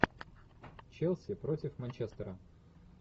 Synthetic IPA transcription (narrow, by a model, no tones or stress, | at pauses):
t͡ɕɛlˠsʲɪpɾotʲɪfmɐnʲt͡ɕest̪əɾə